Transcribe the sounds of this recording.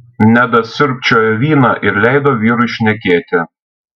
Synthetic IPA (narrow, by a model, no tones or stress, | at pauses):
nʲæbʲɛsʲʊɾʲpʲt͡ʃʲoːjɛʋʲiːnɑʔɪɾlʲɛɪd̪oːʋʲiːɾʊɪʃʲnʲɛkʲeːt̪ʲɪ